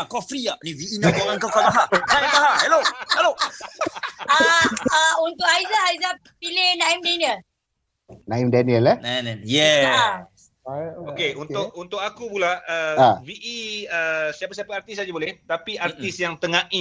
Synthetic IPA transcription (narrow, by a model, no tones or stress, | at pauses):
kɔfɾiaʔnĩwiʔinabaŋãŋkakakaɦaaikaɦahɛlohɛlo | əəunt̪ʊk̚aizaajza | pilɪhnãimdaniəl | nãimdɛniəlɛnjɛ | okeunʊk̚unt̪ʊkakupulaəwiʔiəsiapasiapaart̪isad͡ʒabolɛht̪apiʔat̪isjaŋt̪əŋãʔi